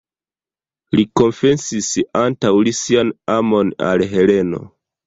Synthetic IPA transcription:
liko̞mfe̞nsisantawlisianamo̞na̰lɦe̞le̞no̞̰

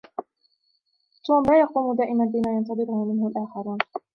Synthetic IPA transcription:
t̪uːmlaːjɑquːmʊd̪aːʔɪmanbɪmaːjɑnt̪ɑðˤɨɾʊhʊmɪnhʊlʔaːxɑɾuːn

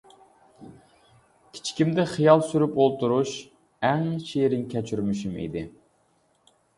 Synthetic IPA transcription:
kʲʰi̥t͡ʃʰkʲimd̪ɪχijɑlˠsyɾypolˠt̪ʰuɾuʃ | æŋʃeɾɪnkʲʰɛt͡ʃʰyɾmyʃymḭd̪ɪ

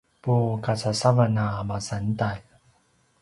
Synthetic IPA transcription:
pukat͡sasavanamasantal

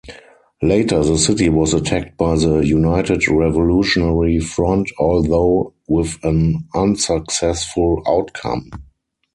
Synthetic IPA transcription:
leɪtə˞ðəsɪtiwɔsətʰæk̚t̚b̥aɪðəjunaɪtɪdɹɛvɔluʃɔnɛɹifɹɔ̃ntʰɔlðoʊwɪðə̃nãnsəksɛsfʊla̰ʊtkʰã̰m

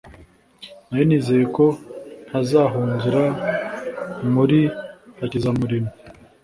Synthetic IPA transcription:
najoniːze̞je̞ko̞n̥hazaːɦuːnzuɾa | muɾihacizamuɾimo

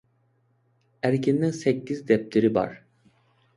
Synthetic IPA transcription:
æɾcʰinːinsɛcːizd̪ɛp̚t̪ʰeɾiva̰ɾ̥

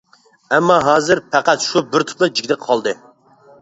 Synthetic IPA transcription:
ɛmːɑɦɑːzɨɾpʰæqæt̪ʃubɪɾt̪ʰʊ̥pnɨd͡ʒikʲd̪ɪqʰɑlˠd̪ɨ

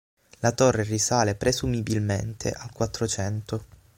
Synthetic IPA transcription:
lat̪orːerisaːlepɾezumibilmḛnt̪ʰḛʔalkwat̪ːɾot͡ʃɛnt̪o

